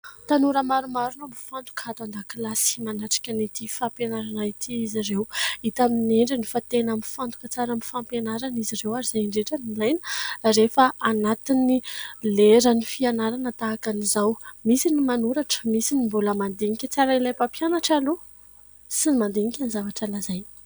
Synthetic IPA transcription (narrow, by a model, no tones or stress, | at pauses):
t̪anuɾəmaɾumaɾunamifant̪u̥kat̪and̪akilasimanaʈ͡ʂḁkʲanit̪ifapenaɾanait̪ʰiizirewit̪amineɳɖ͡ʐinifat̪enamifant̪u̥kət͡saɾamifampenaɾanizirewaɾizajiɳɖ͡ʐeʈ͡ʂanilajnə̥ɾefaʔanat̪inileɾənifianaɾanət̪aːkanizawmisinimanuɾaʈ͡ʂə̥misinimbuləmand̪eŋikʲət͡saɾailajpapjanaʈ͡ʂalu | sinmand̪eŋikʲanizavaʈ͡ʂalazaj̪̥